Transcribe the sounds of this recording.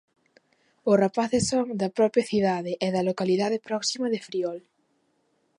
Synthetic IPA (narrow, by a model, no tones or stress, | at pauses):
ʊsrapaθesːoŋd̪ɐpɾɔpjɐθiðaðeʔeðɐlokaliðaðepɾɔksimɐðefɾiɔl